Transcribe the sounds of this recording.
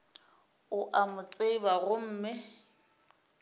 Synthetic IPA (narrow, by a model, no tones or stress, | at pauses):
ʊʔamʊt͡sʼeibaɣʊm̩ːmɪ